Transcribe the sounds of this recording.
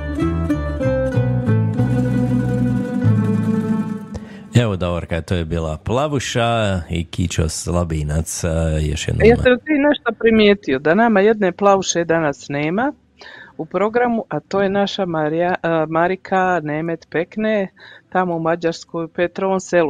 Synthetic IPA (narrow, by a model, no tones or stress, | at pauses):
eʋod̪oʋoɾkat̪oːjebiːlˠa̰plˠaʋuʃaḭkit͡ʃo̰slˠabiːnat̪sjo̰ʃjɛ̰d̪njaːmest̪ʋiːneʃt̪opɾimjeːt̪ijo̞d̪anamaje̞d̪neplˠaʋuʃed̪anasneːma | upɾo̞ɡɾamuʔat̪o̞ːjenaʃamaɾamaɾikʰaneːmet̪peknet̪amoumad͡ʑaɾskojpet̪ɾoonselu